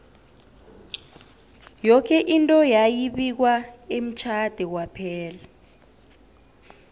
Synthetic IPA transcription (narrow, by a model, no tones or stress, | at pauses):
jɔkʰɛʔintʼɔjajiɓik̬waem̩t͡ʃʰad̥ʱɛkwapʰɛːla